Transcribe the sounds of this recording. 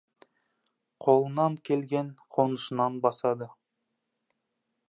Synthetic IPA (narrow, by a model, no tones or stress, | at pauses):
qʰo̞lˠənɑŋkʲʰe̞lɡʲenqʰo̞nəʃənɑnbɑsɑd̪ə